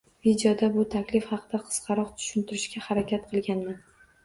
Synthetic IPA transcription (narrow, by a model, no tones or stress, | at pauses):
vid̪jɒd̪abʊt̪ʰakʲlɪfhɑqʰɨd̪aqʰɨ̥sqʰɑɾɒqt̪ʰʊ̥ʃɪnt̪ʰɪɾɪʃkʲahaɾakʲat̪qʰɨlˠɡʲanman